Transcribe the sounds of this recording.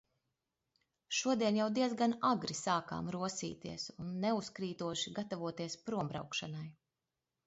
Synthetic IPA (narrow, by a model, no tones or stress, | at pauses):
ʃuɔd̪iɛnjawd̪iɛd̪zɡanaɡɾisaːka̰ːmɾuɔsḭːt̪ḭɛsunːɛuskɾiːt̪uɔʃiɡat̪avuɔt̪iɛspɾuɔmbɾa̰wkʃanaj